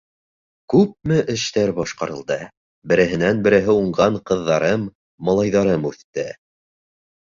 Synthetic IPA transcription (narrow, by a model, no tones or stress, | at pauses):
kʉp̚mɘʔɘ̆ʃt̪æɾbɒʃqɑɾɤ̆lˠd̪ɤ | bɘ̆ɾɘ̆ɦɘ̆nænbɘ̆ɾɘ̆ɦɘuɴɢɑɴqɤ̆ðːɑɾɤmː | ɑlˠɑjðɑɾɤmʉθt̪ːɘ